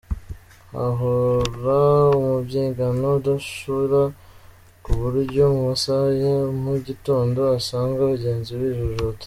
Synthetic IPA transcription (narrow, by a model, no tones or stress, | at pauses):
a̰ɦoɾaumubɟeːŋɡano̞daʃuɾa | kuβuɾɟo̞muβusajemuɟito̞ːndo̞asaːŋɡauβuɟe̞ːnziwiːʒuʒot